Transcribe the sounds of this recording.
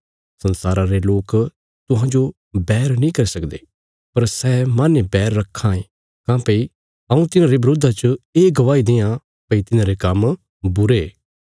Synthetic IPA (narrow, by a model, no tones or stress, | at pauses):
sɐnsaːɾãɾeloːk | t̪ʊɦãd͡ʒo | bɛːɾnĩːkɐɾisɐkd̪eː | pɐɾsɛːmanebɛːɾːɐkʰːãːẽ | kãːpəi | ɐũt̪ɪnãːɾebɾoːd̪ʱat͡ʃəeːɡɐʋaːid̪ẽːjã | pɐit̪ɪnãːɾekɐm | bʊɾeː